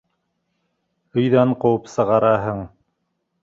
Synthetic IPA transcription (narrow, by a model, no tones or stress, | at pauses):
ɵ̆jðæɴqŏwɤpsɤ̆ʁɑɾɑɦɤɴ